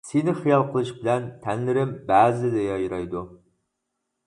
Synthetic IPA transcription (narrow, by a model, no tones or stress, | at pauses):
senɪχijɑlˠqʰəlˠɨʃbɪlɛnt̪ʰɛnlɪɾɪmbæːzɪd̪ɛjɑjɾɑjd̪u